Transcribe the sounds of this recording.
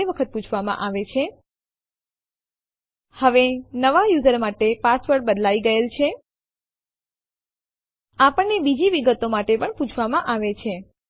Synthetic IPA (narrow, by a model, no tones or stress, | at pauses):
eʋəkʰət̪̚put͡ʃʰʋamã̰ʔaʋet͡ʃʰe | həʋenəʋajuzəɾmaʈepasʋəɾɽbəd̪laiɡəelt͡ʃʰe | apəɳːebid͡ʒiʋiɡət̪omaʈepəɳput͡ʃʰʋamãʔaʋet͡ʃʰe